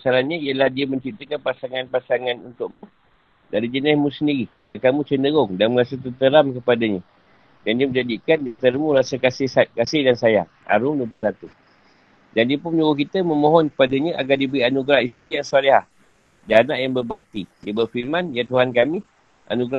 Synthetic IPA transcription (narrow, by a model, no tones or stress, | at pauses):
asaɾaɲəiəlahdiəməɲt͡ʃɾip̚t̪əkanpasaŋanpasaŋanunt̪ʊʔmu | daɾid͡ʒənɪsmũsəndiɾi | akamũt͡ʃənəɣʊŋdanməɾasat̪ərt̪əɾamkəpadaɲə | dandiəməɲd͡ʒadikandit̪əɾmũɾasakasɪskasɪhdansaja | a̰ɾʊŋduəposat̪u | d͡ʒandipʊnɲuokit̪əməmoɦɔnkə̥padaɲəʔa̰ɡardibəɾianuɡɾahiijaŋsualeɦah | danaʔjaŋbərbək̚t̪ijabərfilmãnjat̪uɦankami | ʔa̰nuɡɾa